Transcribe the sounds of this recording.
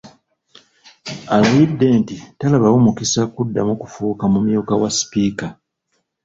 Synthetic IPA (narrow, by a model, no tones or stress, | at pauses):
alaβidːe̞ntitalaβawomukisakudːamukufuːkamumjuːkawasi̥piːka